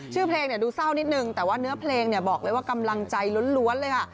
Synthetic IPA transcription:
t͡ɕʰɯː˥˩pʰleː˧ŋni˥˩ɐduː˧sa˥˩wni˦˥t̪̚nɯ˨˩ŋt̪ɛː˨˩waː˥˩nɯ˦˥ɐpʰleː˧ŋni˥˩ɐbɔː˨˩k̚lɤː˧jwaː˥˩ka˧mla˧ŋt͡ɕa˧jlo˦˥nlu˦˥ənlɤː˧jkʰa˥˩

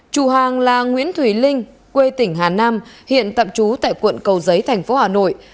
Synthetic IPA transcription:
t͡ɕu˨˩ɦaː˨˩ŋlaː˨˩ŋwḭ˧˥ənt̪ʰwi˧˩lï˧ŋ̟ | kwe˧t̪ï˧˩ŋ̟ɦaː˨˩naː˧mhḭ˧˨ənt̪ə̰˧˨mt͡ɕu˨˦t̪a̰ː˧˨jkwə̰˧˨nkə˨˩wzə˨˦jt̪ʰɛ˨˩jŋ̟fo˨˦haː˨˩no̰˧˨j

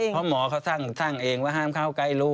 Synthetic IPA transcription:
pʰɔ˧˥mɔː˩˦kʰa˧˥˩wsaː˥˩ŋsaː˧˥˩ŋʔeː˧ŋwaː˥˩ɦaː˥˩mkʰa˧˥˩wkla˧˩jluː˦˥˩

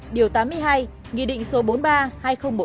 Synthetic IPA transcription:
ɗi˨˩əwt̪aː˨˦mːɨ˧əjɦaː˧j | ŋḭ˧˨ɗḭ˧˨ŋ̟so˨˦ɓo˨˦nɓaː˧haː˧jxə˧wŋ͡mɓə˧˩

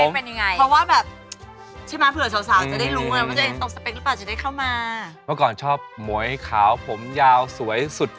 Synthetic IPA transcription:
o˥˦mpe˧nja˧ŋa˧jʰɾɔ˦˥waː˥˩bɛː˨˩p̚ | t͡ɕʰa˥˩maː˦˧˥pʰɯ˨˩əsʰaː˨˦wsaː˨˩˦ŋa˨˩da˥˩jlu˧ŋː˧˦wʰa˥˩t͡ɕa˧˩he˨˦t̪o˧˩ŋsa˧pe˧˥lɯ˦˥paː˨˩wt͡ɕa˨˩da˥˩kʰaː˥˩wmaː˧mɔː˥˩kɔː˨˩nt͡ɕʰɔː˥˩p̚mu˩˦əjkʰaː˩˦wpʰo˩˦mjaː˧wsu˩˦əjsu˨˩t̪̚

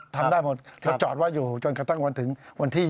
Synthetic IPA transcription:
t̪ʰa˧m˧daː˥˩jmo˨˩t̪̚lɛ˦˥˦t͡ɕɔː˨˩t̪waː˥˩juː˨˩t͡ɕoː˧nka˧t̪a˥˩ŋwa˧nt̪ʰɯ˩˦ŋwa˧nt̪ʰiː˥˩

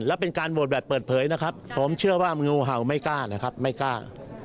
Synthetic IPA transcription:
lɛː˦˥wpe˧nkaː˧nbwo˨˩t̚bɛː˨˩pːɤː˨˩t̪̚pʰɤː˨˩˦jna˦˥kʰa˦˥pʰːo˩˦mt͡ɕʰɯ˥˩ɐwaː˥˩˧ŋuː˧ɦa˨˩wma˥˩jkaː˥˩na˦˥kʰa˦˥p̚ma˥˩jkaː˥˩

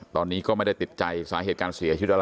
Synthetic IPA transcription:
t̪ɔː˧nːiː˦˥kɔː˥˩ma˥˩jda˥˩t̪i˨˩t̪̚t͡ɕa˧jsaː˩˦ɦeː˨˩t̪̚kaː˧nsi˨˩˦t͡ɕʰi˦˥t̪ʔa˧

